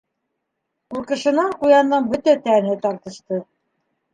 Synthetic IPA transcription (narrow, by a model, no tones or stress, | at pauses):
quɾqɤ̆ʃɤ̆nɑɴqujɑnd̪ɤɴbɵt̪æt̪ænɘt̪ɑɾt̪ɤ̆ʃt̪ɤ